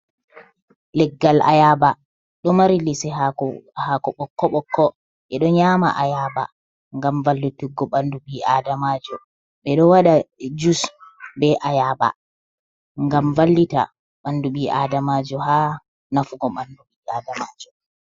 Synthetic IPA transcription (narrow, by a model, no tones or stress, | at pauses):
lɛɡːalʔa̰jaːba | ɗɔmaɾilisɛhakɔɓɔkːɔɓɔkːɔ | ʔɛɗɔɲama̰ʔajaːba̰ | ŋɡamvalːutuɡːɔɓanduɓiʔadamaːd͡ʒɔ | ɓɛɗɔwaɗad͡ʒusbɛʔajaːba̰ | ŋɡamvalːita̰ | ɓanduɓiʔadamad͡ʒɔɦaː | nafuɡɔɓanduɓiʔadamaːd͡ʒɔ